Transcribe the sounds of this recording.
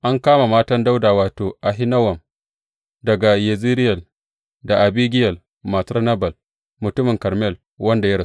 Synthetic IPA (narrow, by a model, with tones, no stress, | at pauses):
ʔa˦ŋkaː˦ma˨maː˦tɐ˦nda˦wdaː˨waː˨toː˨ʔa˨ɦɪ˦nɐ˦wɐ˨m | dɐ˨ɡa˨je˨zi˦ɾɪ˦jɐ˨l | da˨ʔa˨biː˦ɡʲɪ˦jɐ˨l | ma˨tɐ˦nɐ˦bɐ˨l | mʊ˨tʊ˦mɪ˨ŋkɐ˨ɾmɛ˦˨l | wɐ˦nda˨jɐ˦ɾ